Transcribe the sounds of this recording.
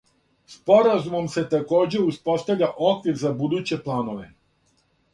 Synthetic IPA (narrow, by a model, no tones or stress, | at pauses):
spo̞ɾazumo̞mse̞t̪ako̞ːd͡ʑe̞uspo̞st̪aʋʎʲaʔo̞kʋiɾzabud̪uːt͡ɕe̞plˠaːno̞ʋe̞